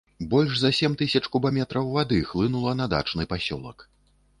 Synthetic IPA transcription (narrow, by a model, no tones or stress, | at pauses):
bɔlʲʂzɐsʲɛmt̪ɨsʲɐt͡ʂkubamʲɛt̪ɾɐwvad̪ɨxlˠɨnulˠɐnɐd̪a̰t͡ʂnɨpasʲɔ̰lˠɐ̰k